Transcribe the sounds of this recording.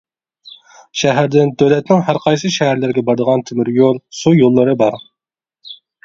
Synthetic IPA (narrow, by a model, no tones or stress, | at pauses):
ʃɛɦæɾd̪ɪnd̪øwlɛt̪nɪŋɦæɾqʰɑjsɨʃæɦæɾlɪɾɡʲɛbɑɾd̪əʁɑnt̪ʰɪmɪɾjolˠsujolˠːɨɾɨbɑɾ